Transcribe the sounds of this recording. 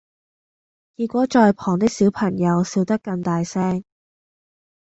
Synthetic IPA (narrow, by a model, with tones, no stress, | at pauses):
kiː˧t̚kʷɔː˨˥t͡ʃɔː˧jpʰɔː˨˩ŋt̪ɪ˥k̚siː˨˥wpʰɐ˨˩ŋjɐ˨˧wsiː˧wt̪ɐ˥kːɐ˧ŋt̪aː˨˧jsɛː˥ŋ